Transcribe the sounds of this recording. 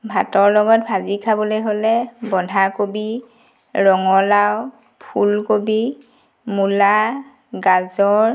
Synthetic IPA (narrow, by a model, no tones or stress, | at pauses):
bʱatɔɹlɔɡɔtbʱazikʰabɔlojɦolɛbɔndʱakobi | ɹɔŋɔlaw | pʰulkobi | mula | ɡazɔɹ